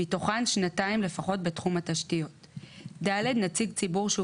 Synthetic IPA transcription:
itoχanʃnataimle̞faχo̞t̚be̞tχumataʃtijo̞t | dalednat͡siɡt͡sibuʁʃe

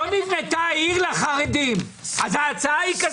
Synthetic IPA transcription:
onivnet̪aiʁlaχaʁed̪im | azaːt͡saaika

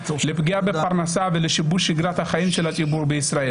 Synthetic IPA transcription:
lipɡiabepaʁnasaveleʃibuʃiɡʁat̪haχaimʃelat͡sʼibuʁbeisʁae̞l

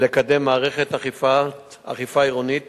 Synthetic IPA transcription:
lekad̪emːaːʁeχet̪aχfa | a̰χifaiʁonit̪

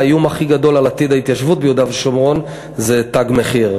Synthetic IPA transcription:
jumaχiɡad̪o̞lalat̪id̪ait̪jaʃvut̪̚bejud̪avʃomʁo̞n | zet̪aɡmeχiʁ

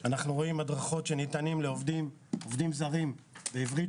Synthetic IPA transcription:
anaχnuʁo̞imadʁaχo̞tʃe̞nit̪animleovdim | ovdimzaʁimbeivʁi

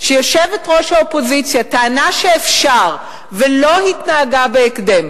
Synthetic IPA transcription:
ʃejo̞ʃevetʁo̞ʃaopo̞zit͡sjataːnaʃeːfʃaʁ | velo̞hitnaːɡabeːkdem

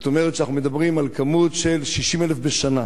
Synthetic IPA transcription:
t̪omeʁet̪ʃanaχnume̞d̪abʁimalkamutʃe̞lʃiʃimelefbeʃana

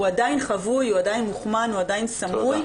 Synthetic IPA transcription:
uadajinχavujuadajinmuχmanuadajinsamuj

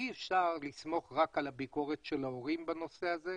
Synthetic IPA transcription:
iefʃaʁlismo̞χʁakalabiko̞ʁetʃelaoʁimbano̞se̞aze

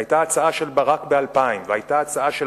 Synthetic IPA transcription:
ajtaat͡saaʃe̞lbaʁakbealpaimvehajtaːt͡saaʃe

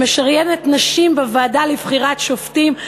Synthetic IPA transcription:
eʃaʁjenetnaʃimbevaːdalivχiʁatʃoftim

